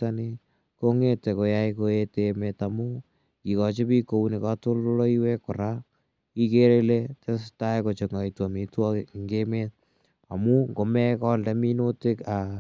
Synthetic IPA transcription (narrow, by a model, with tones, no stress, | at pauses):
a˦ni˦ | ko˦ŋe˦tɛ˨ko˨ja˦jkoe˦temeta˨mu˦ | ki˨kɔ˨t͡ʃe˦pi˦ko˦u˦ne˨ka˦to˦llo˦lo˦iwe˦kʊ˨ɾa˦ | ki˦ke˦ɾe˦le˦tɛ˦sta˦eko˨t͡ʃe˨ŋa˨i˨twɔ˨mi˨twɔ˦˨ŋɡemet̚ | a˨mu˦ŋɡo˨mɛ˦kɔldɛ˦mi˦no˦te˦ka˨